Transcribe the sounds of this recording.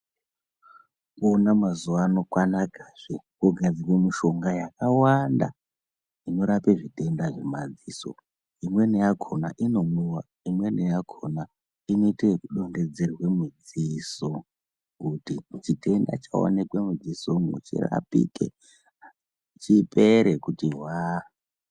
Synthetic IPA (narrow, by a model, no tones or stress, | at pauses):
konamazuʋaːno̞kwanakaʐ̥ekuɡʱad͡zirwemiʃo̞ŋɡajakawanda̰ | ino̞ɾapeʐite̞ndaʐemad͡ziːso̞̰ | imwe̞nejakʰo̞na̰ʔino̞muwa | imwe̞nejakʰona | ino̞itekuɗo̞nde̞d͡ze̞rwe̞mud͡ziso | kutit͡ʃite̞nda̰t͡ʃa̰o̰nekwemud͡zisoŋṵt͡ʃḭra̰pḭkḛ | t͡ʃipeɾekutiɦwa